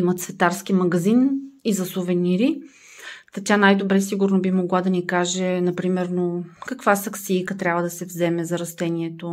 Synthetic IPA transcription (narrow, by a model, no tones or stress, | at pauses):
imɐt̪svɛt̪aɾsk̟imɐɡɐzinizɐsovɛniɾi | t̪ɐt̪ʲanajd̪obɾɛs̬iɡʊɾnobimoɡlˠad̪ɐnikaʒɛnɐpɾimɛɾnokɐkvasɐksiːkət̪ɾʲavəd̪ɐsɛvzɛmɛzɐɾɐst̪ɛnʲiɛt̪o